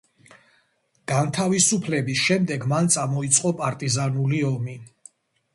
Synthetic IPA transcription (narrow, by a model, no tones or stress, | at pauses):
ɡ̥ant̪ʰavisupʰlɛbisʃɛmd̪ɛɡmant̪sʼamɔit̪sʼqʼɔpʼaɾt̪ʼizanuliɔmi